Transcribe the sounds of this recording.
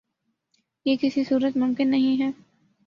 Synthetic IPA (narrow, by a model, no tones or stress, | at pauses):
jeːkɪsisuːɾət̪mʊ̃mkɪnːɐɦĩɦɛː